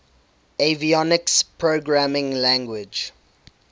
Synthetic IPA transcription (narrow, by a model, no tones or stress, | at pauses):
eviɔnɪkspʰɹoɡɹamɪ̃ŋlæ̃ŋɡwɪd͡ʒ